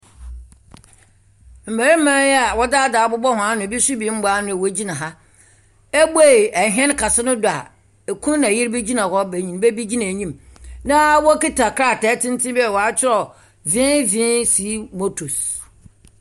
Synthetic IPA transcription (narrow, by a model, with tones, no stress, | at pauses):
m̩˨mæ˨ɾɪ˦m̩˦mã˦jɛ˦a˨wɔ˦da˦˨da˨bʊ˦bɔ˦hʊ̃˨a˦nʊ̃˨bi˦su˦bi˨˦m̩˦ba˦nʊ̃˦˨wo˨˦d͡ʑi˦nã˨ɦa˦ | ɛ˦bu˦e˦˨ɛ˨ɦɛ̃˦nkʰa˨sɪ˦nʊ̃˦dʊ˨a˨ | e˨kʰũ˦n˦nã˨jɪ˦ɾbe˦d͡ʑi˦nã˨hɔ˦bæ˨ɲĩ˨n˦be˦bi˦d͡ʑi˦nã˨ɲĩ˦mnã˦wɔ˦ki˦tʰa˨kʰɾa˦˨tɛ˨˦tʰɪ̃˦n˦tʰɪ̃˦bi˦ɛ˨wɔ˨a˦t͡ɕʰɪ˦ɾɔ˨ | vɪ̃˦vɪ̃˦nsi˨˦mo˦tʰu˨s